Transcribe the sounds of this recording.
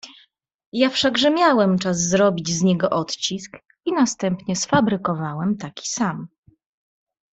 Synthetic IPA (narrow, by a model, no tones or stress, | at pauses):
jafʂaɡʐɛmʲjawɛmt͡ʂazːɾɔbʲid͡ʑzɲɛɡɔʔɔt̪t͡ɕisk | inast̪ɛmpɲɛsfabɾɘkɔvawɛmt̪akʲi̥sam